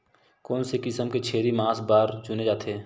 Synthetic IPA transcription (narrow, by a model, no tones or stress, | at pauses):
kɔːnsekɪsəmket͡ʃʰeːɾimaːsbaːɾd͡ʒʊned͡ʒaːt̪ʰeː